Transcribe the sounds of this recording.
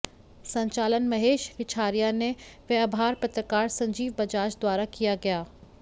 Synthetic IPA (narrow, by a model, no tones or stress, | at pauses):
sɐ̃ɲt͡ɕaːlənmɐɦeːʃʋɪt͡ʃʰaːɾijaneʋeɐbʱaːɾpɐt̪ɾəkaːɾsɐ̃ɲd͡ʑiːʋbɐd͡ʑaːt͡ʃd̪waːɾakijaɡɐjaː